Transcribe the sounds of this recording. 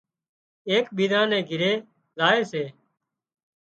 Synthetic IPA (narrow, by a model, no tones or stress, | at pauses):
eːkɓiːdãːnɛ̃ːɡʱɪɾeː | zaːeːseː